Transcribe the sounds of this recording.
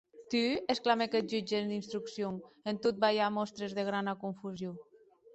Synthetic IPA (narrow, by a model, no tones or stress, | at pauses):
t̪yesklamekɛt̪̚d͡ʒyd͡ʒend̪inst̪ɾuksjoŋent̪ot̪̚bajamɔst̪ɾezðeɣɾanakuɱfuzjo